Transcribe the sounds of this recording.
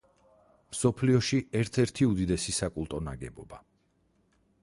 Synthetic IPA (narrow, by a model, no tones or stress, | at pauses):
msɔpʰliɔʃiɛɾt̪ʰɛɾt̪ʰiud̪id̪ɛsisakʼulˠt̪ʼɔna̰ɡɛbɔba